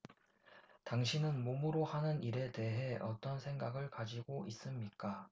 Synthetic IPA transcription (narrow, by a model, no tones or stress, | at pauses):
taŋɕʰinɯnmomuɾohanɯniɾe̞te̞ɦe̞ʌt͈ʌnsʰe̞ŋɡaɡɯɭkad͡ʑiɡoʔis͈ɯmɲik͈a